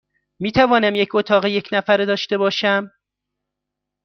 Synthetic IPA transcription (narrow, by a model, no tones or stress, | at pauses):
miːt̪ʰævɒːnæmjecot̪ʰɒːɣejecʰnæfæɾd̪ɒːʃt̪e̞bɒːʃæm